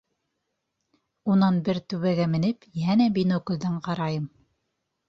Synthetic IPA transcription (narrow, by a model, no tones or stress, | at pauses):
unɑnbɘɾt̪ʉβæɡæmɘ̆nɘpjænæbinokŏlʲd̪ɑɴqɑɾɑjɤm